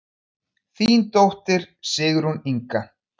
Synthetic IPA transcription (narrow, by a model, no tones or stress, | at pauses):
θint̪owht̪ɪɾ̥ | sɪːɣʏɾhuniŋka